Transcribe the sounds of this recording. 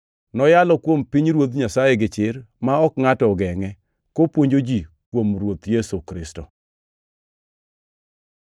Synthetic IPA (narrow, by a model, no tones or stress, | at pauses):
nɔjalɔkwompiɲɾwot̪ɲasajɛɡɪt͡ʃɪɾmaɔkŋatɔɡɛŋɛ | kopwoɲd͡ʒod͡ʒi | kwomɾwot̪jesukɾɪstɔ